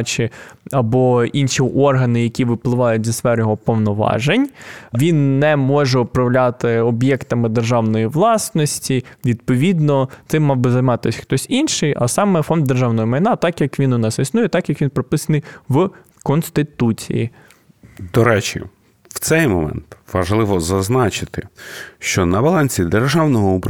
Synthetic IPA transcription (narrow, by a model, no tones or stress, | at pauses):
t͡ʃɪɐbɔinʃiʔɔrɦɐnɪjɐkʲiʋɪplˠɪʋɑjʊt̚ʲzʲɐsfɛɾjɔɦɔpɔwnɔʋɑ̰ʒenʲʋʲinːɛmɔʒɛʊpɾɐʋlʲat̪ɪɔbjɛkt̪ɐmɪd̪erʒɑwnɔjiʋlˠɑsnɔsʲtʲiʋʲid̪̚pɔʋʲid̪nɔt̪ɪmːɑwbɪzɐjmɑt̪ɪsʲxt̪ɔsʲinʃɪjɐ̰sɑmɛfɔnd̪̚d̪erʒɑwnɔjɔmɐjnɑt̪ɑkjɐkʋʲinʊnɑsisnujɛt̪ɑkjɐkʋʲinpɾɔpɪsɐnɪjʋ | kɔnst̪ɪt̪ut͡sʲḭjḭ | d̪ɔɾɛt͡ʃɪ̰ | w̥t̪sɛjmɔ̰mɛ̰nt̪ʋɐʒlˠɪʋɔzɐznɑt͡ʃɪt̪ɪʃt͡ʃɔnɐbɐlˠɑnʲsʲid̪erʒɑwnɔɦɔup